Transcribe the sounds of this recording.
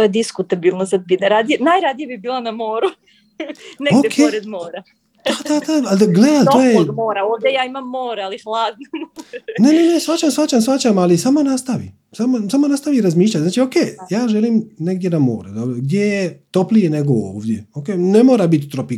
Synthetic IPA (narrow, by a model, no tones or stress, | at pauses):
t̪ojed̪iskut̪abilˠnosad̪̚pit̪naɾad̪ijenajɾad̪ijabibiːlˠanamoːɾu | neod̪ekʰeoɾed̪moːɾa | ad̪aaald̪aɡled̪aojedmoːɾaoːʋd̪jejaːimamːoːɾalixlˠaːd̪nonenenesʋat͡ɕamsfat͡ɕamsʋat͡ɕamalisaːmonast̪aʋḭ | samosaːmonast̪aʋiɾazmiːʃ̬ʎat̪znaːt͡ʃio̞keːjaːʒeliːmne̞ɡ̚dʲje̞namo̰ːɾed̪obɾoɡd̪ʲjejet̪o̞plijene̞ɡoo̰ːʋd̪je̞okeːne̞moːɾabit̪ʲt̪ɾopi